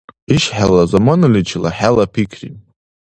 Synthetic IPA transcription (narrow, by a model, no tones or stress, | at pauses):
iʃħalazamanɨlit͡ʃʰla̰ħalapʰikʰri